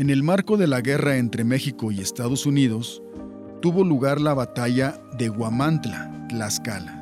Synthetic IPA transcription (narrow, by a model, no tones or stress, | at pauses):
e̞ne̞lmaɾko̞ðe̞laɣe̞rae̞nt̪ɾe̞me̞xiko̞ie̞st̪að̞o̞suniðo̞s | t̪uβo̞luɣaɾlaβat̪aʝa | ðe̞ɣwamant̪la̰ | laskala